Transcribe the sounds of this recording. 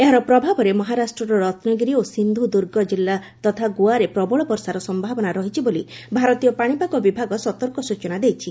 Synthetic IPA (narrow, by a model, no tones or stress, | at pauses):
eɦaɾɔpɾɔbʱabɔɾemɔɦaɾasʈɾɔɾɔɾɔt̪nɔɡiɾiosind̪ʱud̪uɾɡɔd͡ʒilːat̪ɔt̪ʰaɡuaɾepɾɔbɔɭɔpɔɾsaɾɔsɔmbʱabɔnaɾɔɦit͡ʃʰiboli | bʱaɾɔt̪ijɔpaɽ̃ipakɔbibʱaɡɔsɔt̪ɔɾkɔsut͡ʃɔnad̪ejt͡ʃʰi